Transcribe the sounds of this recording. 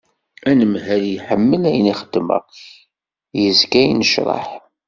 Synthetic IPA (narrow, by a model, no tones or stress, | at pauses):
ænəmhæljħəmːəlæjəniχəd̪̥ːmə̰ʁ | jəzkæjnəʃɾˤɑ̰ħ